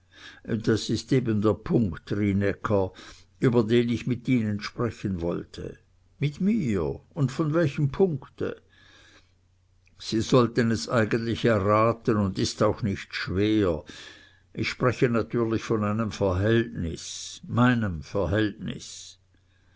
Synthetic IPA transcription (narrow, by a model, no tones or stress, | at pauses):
d̥asɪsteːbəndeːɐpʰʊŋktʁinɛkʰɐ | yːbɐdeːnɪçmɪtiːnənʃpʁ̥ɛçənvɔ̰ltʰə̰ | mɪtmiːʊndfɔnvɛlçəmpʰʊŋktə̰ | z̥iːzɔltənɛsʔaɪɡəntlɪçɛɐʁaːtənʊndɪstaʊxnɪçtʃveːɐ | ʔɪçʃpʁɛçənatʰyːɐlɪçfɔnaɪnəmfɛɐɦɛltnɪ̰smaɪnəmfɛɐɦɛltnɪ̰s